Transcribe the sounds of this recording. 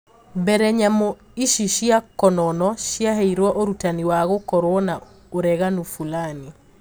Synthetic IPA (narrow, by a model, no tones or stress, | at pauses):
mbɛɾɛɲamo | iʃiʃiakɔnɔnɔʃiaɦɛiɾwɔʔoɾutaniwaɣokɔɾoɔna | oɾɛɣanufulani